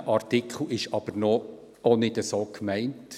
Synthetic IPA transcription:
ʔɑrtɪkʰχl̩ˠɪʃɑb̥əɾnɔ | onɪdəsoːkmæɪnt

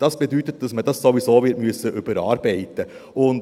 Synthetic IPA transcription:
d̪̥ɑsbɛt̪yːt̪ət̪ːəsmɛd̪ɑsːɔʋɪsoːʋɪɾmysəʔʉbəɾɑ̰ːɾbeɪt̪ə | ʊn

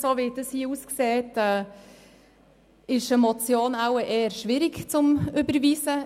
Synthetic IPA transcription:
soːʋid̥əshiːuskseːtɛː | ɪʃəmɔt͡sjoːnawəʔeːəɾʃʋɪɾɪkt͡sʊmʏbəɾviːsə

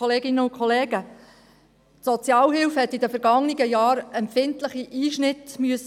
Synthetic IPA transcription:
ɔleːɡɪnəʊnkʰχɔleːɡə | tsɔt͡sjɑːlhɪlfhɛt̪ːidəfɛɾɡ̥ɑŋnɪɡəjɑːɾɛmpfɪntləχiʔiːʃnɪt̪myəs

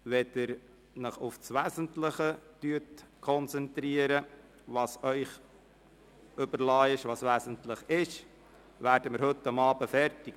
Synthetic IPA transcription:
ʋɛd̥əɾ | nəχʊfsʋæːzəntləχətyətkʰɔnt͡sɛntɾiːəɾə | ʋɑːsœʏχ | ɵbəɾlɑːɪʃʋɑːsʋæːsəntləχɪʃ | ʋæːɾdəmɪɾhɵtːɑmɑːbəfɛɾtɪk

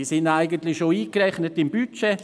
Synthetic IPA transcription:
sɪndaɪɡəntlɪʃoiːkrɛχnətɪmbyt͡ʃɛ

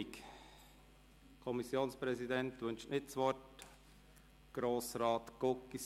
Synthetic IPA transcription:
k | kʰɔmisjoːnspɾɛzidɛntʋɵnʃnɪtsʋɔrt | ɡ̥ɾoːsɾɑːt̪ɡ̥okːi

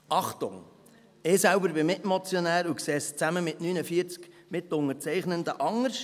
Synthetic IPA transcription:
ɑχtʊ̰ŋ | ɪːsælbəɾbɪmɪtmɔt͡sjɔnæːɾukseːst͡sæməmɪtnyːnəfiəɾt͡sk | mɪtːʊŋəɾt͡sɛɪχnənd̪əʔɑŋəɾs

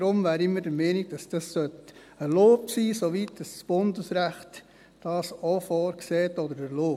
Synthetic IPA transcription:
ɾʊmvæːɾɪmːədəmɛːniɡ̚d̥ɑsd̥ɑssœt | əloːpsiːsoʋitd̥ɑssb̥ʊndəsɾæχt | d̥ɑːsofɔːɾkseːtɔdəɾəloː

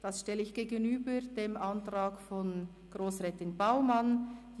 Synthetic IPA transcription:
d̥ɑsʃtɛləɪçɡ̥eːɡənyːbəd̥eːmʔantraːkfɔn | ɡ̥roːsʁɛːtɪnbaʊman

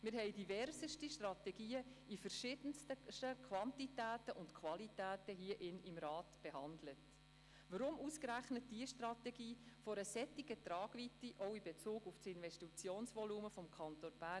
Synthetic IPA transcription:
mɪːɾhɛɪdivɛɾzəʃtiʃtrɑtɛɡiːəifəɾʃɪd̥ənstətəkʰʋɑntitæːtəʔʊntkʰʋɑlitæːtəɦiːəʔɪnɪmɾɑːtb̥eɦɑndlət | ʋəɾʊmuːskɾæχnət̚d̥iəʃtrɑtɛɡiːfɔɾəsɛtːiɡətrɑːɡ̥vitːiʔɔwɪmbet͡suːɡʊftsɪnvɛʃtit͡sjoːnsʋɔluːməfɔmkʰɑntonb̥æ

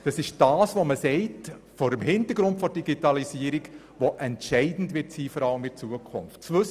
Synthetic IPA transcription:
d̥ɑsɪʃd̥ɑːsʋoməsɛɪt | fɔɾəmhɪntəɾɡɾʊntfɔɾd̥iɡitɑlisiəɾiɡ | ʋoʔɛntʃɛɪdn̩dʋɪtsiːfɔɾɑləmɪt͡suəkʰʊ̰nft͡sʋɵs

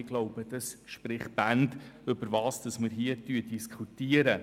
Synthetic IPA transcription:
ɪɡloʊb̥əd̥ɑsʃprɪχb̥ændɵbəɾvɑːsd̥ɑsməɾɦiətyədiskʰutiəɾə

